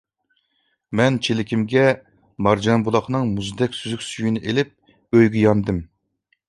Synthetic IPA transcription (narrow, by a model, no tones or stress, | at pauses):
mɛnt͡ʃʰelɪkʲʰimɡʲɛ | mɑɾd͡ʒɑnbulˠɑχnɨŋmuzd̪ɛkʲsyzykʲsyjinɪʔelɪp̚ | øjɡʲijɑnd̪ɨm